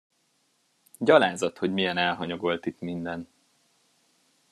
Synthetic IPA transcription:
ɟɒlaːzɒt̪hoɟmijɛnɛlɦɒɲo̞ɡo̞lt̪it̪mind̪ɛn

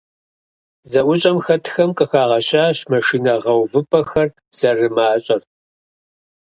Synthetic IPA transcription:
zɐʔʷʊɕʼɐmxɐtʰxɐmqʼəxaːʁɐɕaːɕmɐʂiːnɐʁɐwvɨpʰɐxɐr | z̥ɐrɨmaːɕʼɐr

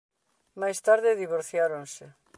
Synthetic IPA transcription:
majst̪aɾðɪðiβ̞oɾθjaɾonse

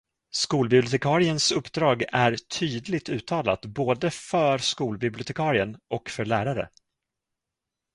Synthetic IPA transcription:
skuːlbɪblɪʊt̪ʰɛkʰɑːɾɪənsɵpːd̪ɾɑːɡæɾt̪ʰyːd̪lɪɡ̚t̪ʉ̟ːt̪ʰɑːla̰t̪boːd̪əfœɾskuːlbɪblɪʊt̪ʰɛkʰɑːɾɪənʔɔkfœɭæːɾaɾə̰

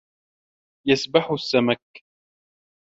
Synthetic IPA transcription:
jasbaħʊsːamak

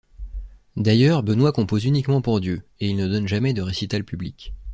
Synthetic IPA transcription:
d̪ajœːʁbənwakɔ̃pozynikmɑ̃puʁd̪jøeilnəd̪ɔnʒamɛd̪əʁesit̪alpyblik

